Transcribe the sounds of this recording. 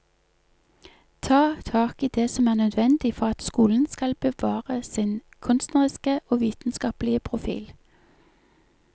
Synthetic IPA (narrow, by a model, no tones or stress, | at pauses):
t̪ʰɑːt̪ʰɑːkiːd̪eːsɔmæːʁnœd̪ʋɛnd̪ɪfɔʁɑt̪skuːln̩skɑlbəʋɑːʁəsɪn | kʰʉnst̪nəʁɪskəʔoːʋiːt̪n̩skɑːplɪəpʰʁʊfḭːl